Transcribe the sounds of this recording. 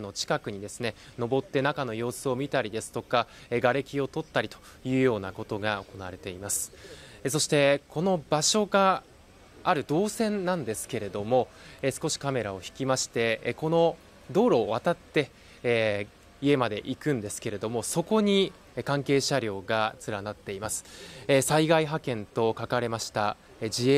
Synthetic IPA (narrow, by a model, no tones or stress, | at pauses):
no̞t͡ɕi̥kakɯ̟ɲ̟id̪e̞sɨne̞no̞bo̞t̪ːe̞nakano̞jo̞ːsɨo̞mʲit̪aɾʲid̪e̞sɨ̥t̪o̞kaeɡaɾe̞kʲio̞t̪o̞t̪ːaɾʲit̪o̥jɯ̟ːjo̞ːnako̞t̪o̞ɡao̞ko̞naaɾe̞t̪e̞imasɨ̥eso̞ɕi̥t̪e̞ko̞no̞baɕo̞ɡaː | ɾɯ̟d̪o̞ːsẽ̞nːãnd̪e̞sɨ̥ke̞ɾe̞d̪o̞mo̞esɨ̥ko̞ɕi̥kame̞ɾao̞çi̥kʲimaɕi̥t̪e̞ko̞no̞ | d̪o̞ːɾo̞ːβat̪at̪ːe̞ | ie̞mad̪e̞ʔikɯ̟̃nd̪e̞sɨ̥ke̞ɾe̞d̪o̞mo̞so̞ko̞ɲ̟i | kãŋke̞ːɕaɾʲo̞ːɡat͡sɨɾanat̪ːe̞imasɨ̥saiɡaiɦakẽ̞nt̪o̞kakaɾe̞maɕi̥t̪a | d͡ʑie